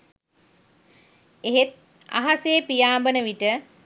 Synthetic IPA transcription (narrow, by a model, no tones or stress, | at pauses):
eɦet̪̚ | a̰ɦasepijaːmbənəʋiʈə